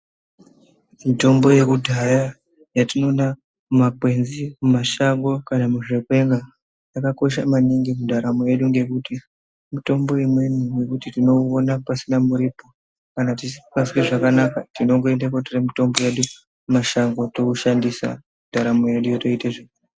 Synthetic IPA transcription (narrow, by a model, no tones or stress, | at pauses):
mito̞mbo̞je̞kudʱaja | jatino̞na | makwe̞nzimumaʃaŋɡo̞kanamuʐe̞kwe̞ŋɡa | jakako̞ʃ̬amaniŋɡimudʱaɾamoje̞ɗuŋɡe̞kuti | mito̞mbo̞imwe̞numwe̞kutitino̞onapasinamuɾipo̞ | kanatisipasikeʐakanakatino̞ŋɡo̞e̞ndakotiremito̞mbo̞jeɗu | umaʃaŋɡo̞to̞uʃandisa̰mudʱaɾamoje̞ɗujoto̞iteʐeu